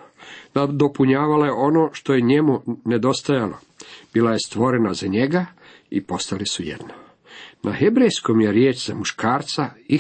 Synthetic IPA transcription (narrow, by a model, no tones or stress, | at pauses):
nad̪o̞puɲaːʋalojeo̞no̞ːʃt̪o̞jeɲe̞muned̪o̞st̪ajalo̞̰ | b̥iːlaje̞st̪ʋo̞ɾenazaɲe̞ɡa | ḭpo̞st̪alisujḛd̪no | nʔaxebɾejsko̞mjeɾjeːt͡ʃz̥amuʃkʰaːɾt̪sai